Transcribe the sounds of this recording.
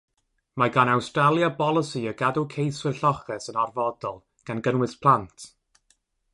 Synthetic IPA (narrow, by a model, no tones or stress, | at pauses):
maɡanawstralˠjabɔlˠəsiəɡadukʰejswɪrɬɔχɛsənarvɔdɔlˠ | ɡ̥anɡənwɨspʰlˠantʰ